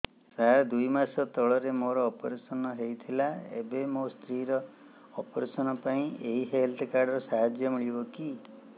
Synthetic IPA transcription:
saɦaɾd̪ujmasɔt̪ɔɭɔɾemoɾɔːpɔɾesɔnɔɦejt̪ʰilaḛbemost̪ʰɾiɾɔː | pɔɾesɔnɔpaĩeɦiɦelt̪ʰkaɾɖɔɾɔsaɦad͡ʒjɔmiɭibɔki

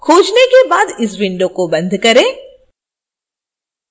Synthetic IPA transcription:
kʰoːd͡ʒnekebaːd̪ɪsʋɪ̃ɳɖokobɐ̃nd̪ʱkɐɾẽː

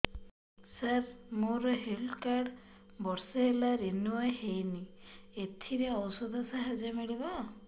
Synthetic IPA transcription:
saɾmoɾɔɦelkaɽ | bɔɾsɔɦelaɾenuɔjhejniet̪ʰiɾeɔwsɔd̪ʱɔsaɦad͡ʒemiɭibɔ

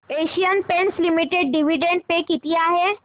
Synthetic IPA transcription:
eːʃijənpẽnslimiʈeɖ̚ɖiʋiɖẽɳɖ̚pekit̪ijaɦɛ

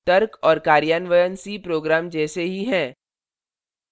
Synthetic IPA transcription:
t̪ɐɾkɔːɾkaːɾjaːnʋəjənsipɾoːɡɾaːmd͡ʒɛːseɦiɦɛ̃ː

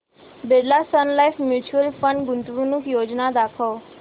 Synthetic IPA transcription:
beɖlasənlaifmjut͡ʃuəlfə̃ɳɖɡʊnt̪ɾunukjoːd͡ʒnad̪akʰo

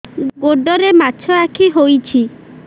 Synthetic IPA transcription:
ɡoɖɔɾemaːt͡ʃʰɔakʰiɦojt͡ʃʰi

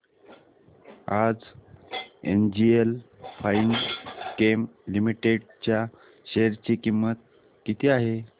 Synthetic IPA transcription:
ad͡z | ḛnd͡ʑielfainkemlimiʈeɽt͡ɕja | ɕeɾt͡ɕiːkimːət̪̚ | kit̪ʰiːaɦe

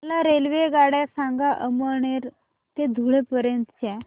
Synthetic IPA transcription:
laɾelʋeɡaɽasãŋɡaʔəməɳeɾ | t̪ed̪ʱuɭepəɾjənt̪ət͡ɕɛ

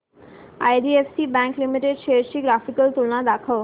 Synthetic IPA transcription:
ajɖiefsibɛ̃ŋklimiʈeɖʃeɾʃiɡɾafikəlt̪ulnãd̪akʰəʋ

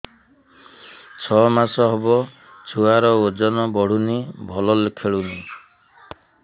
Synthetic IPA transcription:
t͡ʃʰɔmasɔɦebɔ | t͡ʃʰuaɾɔod͡ʒɔnɔbɔɽ̤unibʱɔlɔlekʰeɭuni

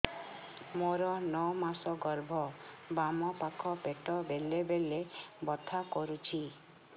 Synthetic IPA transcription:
moɾɔnɔwmasɔɡɔɾbʱɔ | bamɔpakʰɔpeʈɔbelebelebɔt̪ʰakɔɾut͡ʃʰi

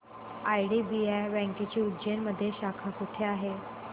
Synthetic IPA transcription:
ajɽiːbiajbɛ̃ŋkit͡ɕiːud͡ʑenməd̪ʱːjeɕakʰakuʈʰeaɦe

